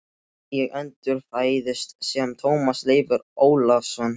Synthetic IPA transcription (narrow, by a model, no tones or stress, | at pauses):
jɛɣɛnt̪ʏɾ̥faːjðɪst̪sɛmt̪ʰoːwmasleːjvʏɾoːwlavsɔnː